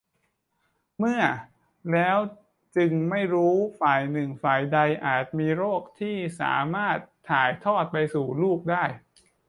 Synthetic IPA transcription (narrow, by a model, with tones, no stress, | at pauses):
mɯ˥˩ɐ | lɛː˦˥w | t͡ɕɯ˧ŋma˥˩jɾuː˦˥faː˨˩jnɯ˨˩ŋfaː˨˩jda˧jʔaː˨˩t̪̚miː˧ɾoː˥˩k̚t̪ʰiː˥˩sa̰ː˩˦maː˥˩t̪ʰːaː˨˩jt̪ʰɔː˥˩t̪̚pa˧jsuː˨˩luː˥˩k̚daː˥˩j